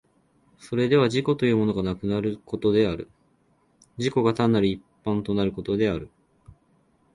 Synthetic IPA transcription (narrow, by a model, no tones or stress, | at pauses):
so̞ɾe̞d̪e̞βaʑiko̞t̪o̞jɯ̟ːmo̞no̞ɡanakɯ̟naɾɯ̟ko̞t̪o̞d̪e̞aɾɯ̟̰ | d͡ʑiko̞ɡat̪ãnːaɾʲiipːãnt̪o̞naɾɯ̟ko̞t̪o̞d̪e̞aɾɯ̟